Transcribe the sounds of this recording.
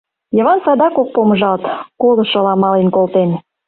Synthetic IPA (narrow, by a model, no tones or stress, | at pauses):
jĕvɑnsɑd̪ɑkok̚pomɤ̆ʒɑlt̪kolˠɤ̆ʃŏlɑmɑlenkolˠt̪en